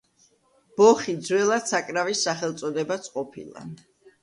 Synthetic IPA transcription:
b̥ɔχid̪zwɛlˠat̪sakʼɾavisːaχɛlˠt̪sʼɔd̪ɛbat̪sʰʼqʼɔpʰḭlˠa̰

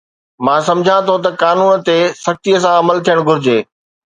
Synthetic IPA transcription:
mãːsɐ̃md͡ʑʱãt̪ʰot̪̬ɐkaːnuːnt̪esɐkt̪ijəsãɐməlt̪ʰijəɽ̃ɡʱʊɾɪd͡ʑeː

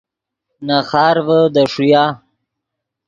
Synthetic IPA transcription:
naxɑːɾvəd̪əʂujɑ

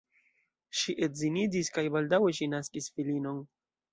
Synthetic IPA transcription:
ʃiʔe̞tzinidiskajbaldawe̞ʃinaskisfilino̞n

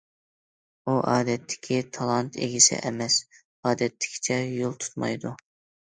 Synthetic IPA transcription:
uʔɑːd̪ɛt̪ʰːɪ̥kʲʰit̪ʰɑlˠɑnt̪ḛɡʲisɪ̰ʔɛmɛs | ɑːd̪ɛt̪ʰːɪ̥kʲʰi̥t͡ʃʰɛjolˠt̪ʰu̥t̪mɑ̰jd̪u

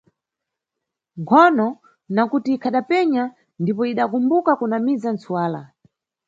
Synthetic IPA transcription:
ŋkʰɔnɔ | nakutiːkʰaɗapɛɲa | ndipɔiɗakumbukakunamizant͡suwaːla̰

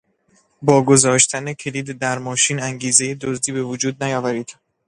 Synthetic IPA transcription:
bɒːɡo̞zɒːʃt̪ʰænekʰe̞liːd̪d̪æɾmɒːʃiːnæŋɟiːze̞jed̪ozd̪iːbe̞vod͡ʒuːd̪̚næjɒːvæɾiːd̪̥

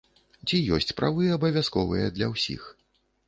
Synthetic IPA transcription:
t͡sʲijɔsʲt͡sʲpɾʔavɨɐbɐvʲaskɔvɨjɛd̪lʲɐwsʲḭx

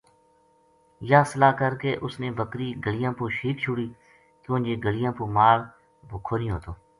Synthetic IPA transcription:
jaːsəlaːkəɾkeːʔʊsneːbəkɾiːɡəlɪjãːpuːʃiːkt͡ʃʰʊɽiː | k̪õːnd͡ʒeːɡəlɪjãːpuːmaːɾ | bʊkʰːoːnĩːɦoːt̪oː

